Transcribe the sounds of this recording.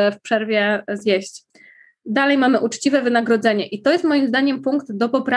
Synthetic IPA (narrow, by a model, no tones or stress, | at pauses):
ɛfpʂɛɾvʲjɛzʲjɛɕt͡ɕ | d̪alɛjmamɘʔut͡ʂt͡ɕivɛvɘnaɡɾɔd̪zɛɲɛʔit̪ɔjɛst̪mɔjimzd̪aɲɛmpuŋkd̪d̪ɔpɔpɾa